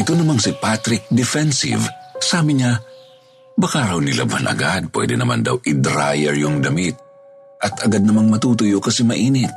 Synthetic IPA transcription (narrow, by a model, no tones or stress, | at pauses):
ʔɪt̪o̞nɐmaŋsɪpat̪ɾɪk̚d̪ɛfɛnsḭvsaːmɪɲa | bɐkaɾɐwnɪla̰bɐnʔɐ̰ɡad̪̚pwɛ̰d̪ɛnɐma̰nd̪a̰wʔɪd̪ɾajɛɹjʊŋd̪ɐmɪt̪̚ | ʔɐt̪ʔɐɡad̪̚nɐmaŋmɐt̪uːt̪ʊjokɐsɛmɐʔiːnɪt̪̚